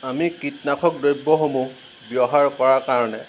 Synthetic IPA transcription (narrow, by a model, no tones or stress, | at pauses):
amikitnakʰɔk̚dojbːɔɦomũ | bjɔɦaɹkɔɹakaɹɔnɛ